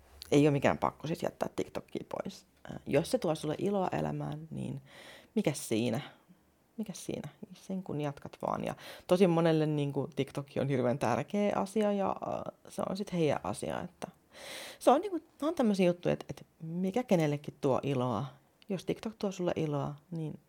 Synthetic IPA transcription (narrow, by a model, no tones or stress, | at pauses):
eijoːmikæ̰ːmpɑ̰kːosisjæ̰t̪ːæːt̪ːikt̪okːḭːpo̰is | josset̪uɑsulːḛʔiloɑ̰ʔḛlæ̰mæːnnḭːnmikæssiːnæ | mikæssḭːnæsseŋkunjɑt̪kɑt̪ʋɑ̰ːnjɑ̰t̪osimmonelːenniːŋkut̪ikt̪okːio̰nhirʋeːnt̪ærkeːʔɑsiɑjɑ̰seõ̰nsit̪heiæ̰ʔʔɑ̰sḭɑ̰ḛt̪ːæ | seonniːŋkuont̪æmːøsiːjut̪ːuiḛt̪et̪mikækenelːekːit̪tuo̰ʔiloɑ | jost̪ikt̪okt̪uɑsulːḛʔiloɑniːn